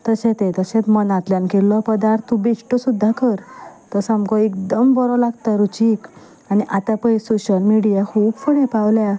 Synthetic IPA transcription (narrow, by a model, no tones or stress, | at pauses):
t̪əɕɛ̃t̪ɛ̃t̪əɕɛ̃t̪mənãt̪ljãnkelːɔpəd̪aɾt̪ːubesʈɔsud̪ʱːakəɾt̪ɔsamkɔekd̪əmbɔɾɔlaɡt̪aɾut͡ɕik | aniʔat̪apəisoɕəlmiɽijakʰuːbfəɽepawlja